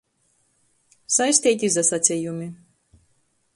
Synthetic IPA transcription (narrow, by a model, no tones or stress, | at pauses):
sajsʲt̪ʲiːt̪ʲizasat̪sʲijumʲi